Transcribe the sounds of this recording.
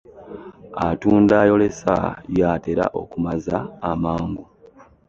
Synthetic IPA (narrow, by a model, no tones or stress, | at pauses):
atuːndaːjo̞le̞sa̰jaːte̞ɾa̰ʔo̞̰kumazaːmaːŋɡu